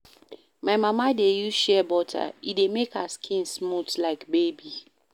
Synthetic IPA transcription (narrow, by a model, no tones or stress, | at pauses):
maɪmamadejuʃɛbɔtʰa̰idemekaskʰĩnsmutlaɪkbebi